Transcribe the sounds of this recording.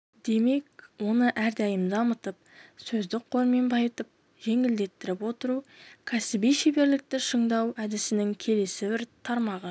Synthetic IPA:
d̪e̞me̞k̚wo̞nəʔæɾd̪æjɪmd̪ɑmət̪əp̚sɵzd̪ɪk̚qʰo̞ɾme̞nbɑjət̪əp̚ | ʒ̥e̞ŋɪld̪e̞t̪ːɪɾɪpwo̞t̪əɾukʲʰæsɪbijʃebe̞ɾlɪk̚t̪ɪʃəɴd̪ɑwæd̪ɪsɪnɪŋkʲʰe̞le̞sɪbɪɾt̪ʰɑɾmɑʁə

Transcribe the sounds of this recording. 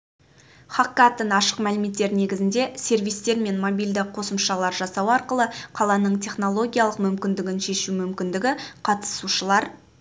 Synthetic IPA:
χɑkːat̪ənɑʃə̥qmælɪme̞t̪ːe̞ɾɪne̞ɡʲɪzɪnd̪e̞se̞rvijst̪e̞ɾme̞nmo̞bijld̪ɪqʰo̞səmʃɑlˠɑɾʒɑsɑwɑɾqəlˠəqʰɑlˠɑnəɴt̪ʰʲe̞χno̞lˠo̞ɡʲijalˠəqmʏmkʲɪnd̪ɪɡʲɪnʃe̞ʃumʏmkʲɪnd̪ɪɡʲɪqʰɑt̪ə̥suʃəlˠɑɾ

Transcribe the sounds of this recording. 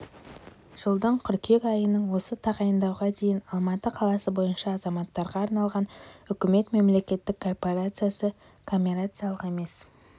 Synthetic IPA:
ʒ̥əlˠd̪əɴqʰʏɾkʲʰe̞kɑjənəɴwo̞sət̪ʰɑʁɑjənd̪ɑwʁɑd̪e̞jɪnɑlˠmɑt̪əqʰɑlˠɑsəbo̞jənʃɑːzɑmɑt̪ːɑɾʁɑːɾnɑlˠʁɑnʏkʲɪme̞t̪me̞mle̞kʲe̞t̪ːɪkʰːo̞rpo̞ɾat̪sɨjasə | kʰompʲiɾat̪sɨjɑlˠəqe̞me̞s

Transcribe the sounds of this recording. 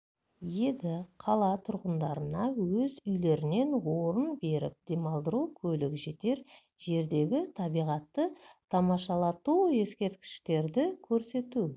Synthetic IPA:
je̞d̪ɪqʰɑlˠɑt̪ʰʊɾʁənd̪ɑɾənɑwɵzʏjle̞ɾɪne̞nwo̞ɾənbe̞ɾɪ̰p̚d̪e̞mɑlˠd̪əɾukʲʰɵlɪkʒe̞t̪e̞ɾ | ʒe̞ɾd̪e̞ɡʲɪt̪ʰɑbijʁɑt̪ːət̪ʰɑmɑʃɑlˠɑt̪ue̞skʲe̞ɾt̪kʲɪ̥ʃt̪e̞ɾd̪ɪkʲʰɵɾse̞t̪u

